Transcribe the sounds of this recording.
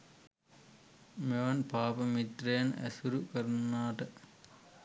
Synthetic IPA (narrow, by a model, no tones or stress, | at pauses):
meʋɐnpaːpɐmit̪ɾeːnɐ̰suɾukɐɾnaːʈɐ